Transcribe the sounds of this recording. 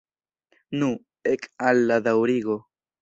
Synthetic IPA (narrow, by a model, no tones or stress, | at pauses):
nu | ekʼalːad̪awɾiɣo